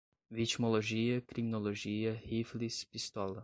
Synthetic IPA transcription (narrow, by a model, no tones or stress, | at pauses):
vit͡ʃmoloʒiɐkɾiminoloʒiɐhiflispist̪ɔlˠɐ